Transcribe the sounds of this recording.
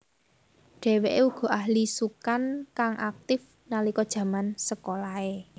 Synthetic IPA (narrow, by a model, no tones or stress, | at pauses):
ɖ̥ɛ̤weʔeuɡ̥ɔ̤ʔaɦlisukankaŋʔak̚t̪ɪf | nalikɔd̥ʒ̥ä̤mansəkolae